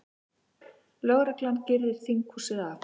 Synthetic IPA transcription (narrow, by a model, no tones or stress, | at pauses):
lœɣɾɛklancɪɾðɪɾ̥θiŋkhusɪɣaf